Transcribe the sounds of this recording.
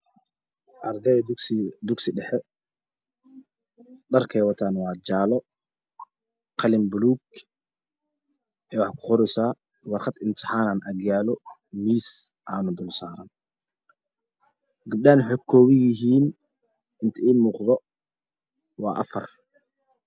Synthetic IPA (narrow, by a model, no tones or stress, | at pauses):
ʔɐrd̪ɛd̪ʊɡsɪɖɛħɛ | ɖɐrkʰɛːwɑt̪ʰaːnwɑːd͡ʒaːlɔ | qʰɑlɪmbʊluːɡ | ʔɛːwɑħkʰʊ̥χʊɾɪsaː | wɑrqɑd̪ɪnt̪ʰɪħaːnaːnʔɐɡjaːlɔmiːs | ʔaːnʊd̪ʊlsaːɾɐn | ɡɪb̚ɗaːnwħɔkʰɔːβɪjɪɦiːn | ɪnt̪ʰɐiːmuːqðɔ | wɑːʔɐ̰fɐr